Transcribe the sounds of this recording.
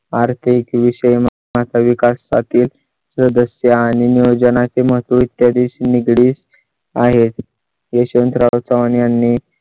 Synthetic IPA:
aɾt̪ʰikʋiɕəjmə | mat̪ʰaʋikasːa̰t̪ʰiːl | səd̪əsjaːɽ̃iniʋd͡ʑənat͡seməɦət̪ʋəit̪jad̪iɕniɡɽiːs | aɦet̪ | jeɕənt̪ɾaʋt͡saʋanjanːi

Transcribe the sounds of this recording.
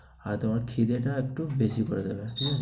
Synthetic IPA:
aɾt̪omaɾkʰid̪eʈaek̚ʈubesikɔɾed̪ebeʈikʰɛ

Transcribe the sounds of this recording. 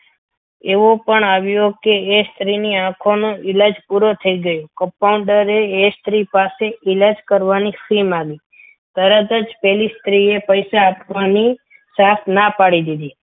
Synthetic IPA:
eʋopəɳaʋjokeːst̪ɾiniãkʰonũɪlad͡ʒpuɾot̪ʰəiɡəjokə̃pauɳɖəɾeːst̪ɾipaseʔɪlad͡ʒkəɾʋanifimaɡi | t̪əɾət̪əd͡ʒpɛlist̪ɾiepəjsaːpʋani | sat̪ʰnapaɽid̪id̪i

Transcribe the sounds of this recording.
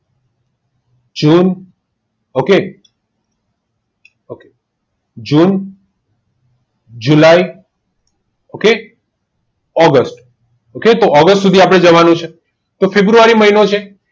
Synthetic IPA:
d͡ʒun | oke | oke | d͡ʒun | d͡ʒulai | oke | ɔɡəsʈ | oket̪oʔɔɡəsʈsud̪ʱiapɽ̃ed͡ʒəʋanũt͡ʃʰe | t̪ofebɾuʋaɾiməɦinot͡ʃʰe

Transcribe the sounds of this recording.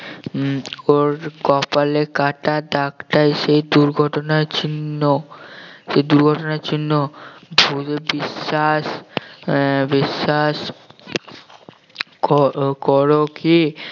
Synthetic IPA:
oɾkɔpalekaʈaɖakʈajʃejd̪uɾɡʱɔʈonat͡ɕinːo | ʃejd̪uɾɡʱɔʈonat͡ɕinːobʱuebiʃːaʃ | biʃaʃ | kkɔɾoki

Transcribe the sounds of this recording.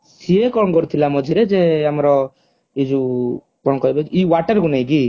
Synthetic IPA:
siekɔɳɡɔɾt̪ʰilamɔd͡ʒʱiɾɛd͡ʒɛamɾɔ | id͡ʒu | kɔɳkɔjbɛd͡ʒiwaʈəɾɡunajɡi

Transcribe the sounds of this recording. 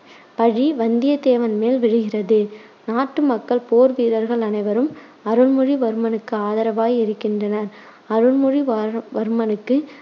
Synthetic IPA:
pɐɻiʋɐnd̪ɪjɐt̪eːʋɐnmeːlʋɪɻɯɣɪrɐðɯ | naːʈːɯmɐkːɐɭpoːɾʋiːɾɐɾɣɐɭɐnɐɪʋɐɾɯm | ɐɾɯɭmɯɻiʋɐɾɯmɐnɯkːɯaːðɐɾɐʋaːjɪɾɯkːɪndrɐnɐɾ | ɐɾɯɭmɯɻiʋʋɐɾɯmɐnɯkːɯ

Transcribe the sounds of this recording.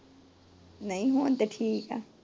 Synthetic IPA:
nãĩɦũnt̪eʈʰiːkʼa̰

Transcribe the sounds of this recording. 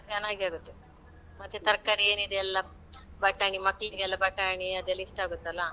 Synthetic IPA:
t͡ʃanaːɡiaːɡut̪ːe | mɐt̪ːjet̪ɐɾkaɾieːnid̪eɐlːɐ | bɐʈːaːɳimɐkːɭiɡɛlːɐbɐʈːaːɳiɐd̪ɛlːɐiʂʈaːɡut̪ːeɐlːɐ

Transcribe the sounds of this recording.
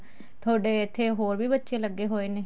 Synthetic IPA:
t̪ʰoːɖeːɪt̪ʰːeːɦoːɾʋiːbətːʃeːləɡːeːɦoːeːneː

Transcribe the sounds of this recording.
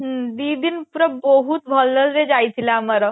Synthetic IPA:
ɦəd̪id̪inpuɾəbɔɦut̪̚bʱɔlːəlɾed͡ʑajt̪ʰilaməɾə

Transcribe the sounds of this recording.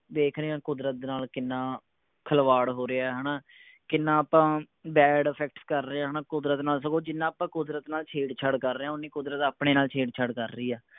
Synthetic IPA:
b̪eːkʰɾeːãːkʊd̪ɾət̪̚naːlkɪnːãː | kʰəlʋaːɽɦoːɾeːaːɦənaː | kɪnːãːaːpãː | bɛːɖəpʰɛk̚ʈskəɾːeaːɦənaːkʊd̪ɾət̪naːls̬əkʰoːd͡ʒɪnːãːpãːkʊd̪ɾət̪naːlt͡ʃʰeːɖt͡ʃʰəɽkəɾːeãːʊnːiːkʊd̪ɾət̪aːpɽeːnaːlt͡ʃʰeːɖt͡ʃʰəɽkəɾːiːɛː

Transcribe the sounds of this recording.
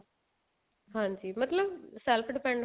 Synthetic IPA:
ɦãːɲd͡ʒiːmɐt̪ləbsɛlfʰɖɪpɛ̃ɳɖ

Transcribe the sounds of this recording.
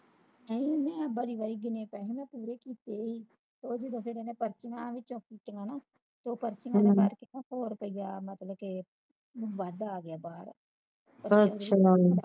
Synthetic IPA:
nəĩːmɛ̃ːbəɾiːbaːɾiːɡɪnẽːpɛːɦẽːmɛ̃ːpuːɾeːkiːt̪eːiː | t̪oːd͡ʒəd̪õːpʰɪɾɛːnẽːpəɾt͡ʃɪŋãːʋɪt͡ʃõːkiːt̪eŋɡãːnaː | t̪oːpəɾt͡ʃɪŋɡãːkəɾkenãːhoːɾpəiːaːmət̪ləb̚ke | ʋaːd̪aːɡɪaːbaːɾ | pəɾəʃʰaː

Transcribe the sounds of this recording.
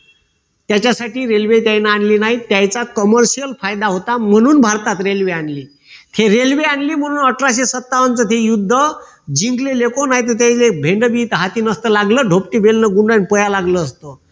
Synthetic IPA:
t̪jat͡ɕasaʈiːɾelʋet̪jajnaːɳliːnaɦit̪jajt͡sakəməɾɕijəlfajd̪aɦot̪am̤əɽ̃uːnbʱaɾt̪at̪ɾelʋeanliː | t̪ʰeɾelʋeaɳliːm̤əɽ̃uːnəʈɾaɕesət̪ːaʋənt͡sət̪ʰejud̪ʱːə | d͡ʑiŋɡlelekonaɦit̪ət̪̬jajt͡sebʱeɳɖəbit̪ɦat̪iːnəst̪əlaɡləːɖʱopʈiːbelnəɡuɳɖanpəjalaɡləːst̪ə

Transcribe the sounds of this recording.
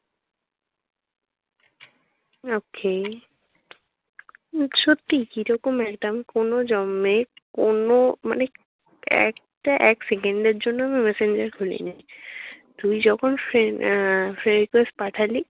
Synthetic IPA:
okʰe | ʃot̪ːikiɾɔkomɛkʈaːmikonod͡ʑɔmːekonoma̰ne | ɛ̰k̚ | ʈaʔɛksekeɳɖeɾd͡ʑonːoamimɛseɲd͡ʑaɾkʰulḭna | t̪umid͡ʑɔkʰonfɾe | fʰɾenɖikesʈ̚paʈʰali

